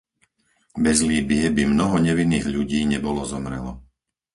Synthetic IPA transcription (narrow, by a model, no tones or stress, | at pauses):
bɛzliːbɪɛbimnɔɦɔɲɛʋinːiːɣʎuɟiːɲɛbɔlɔzɔmɾɛ̰lɔ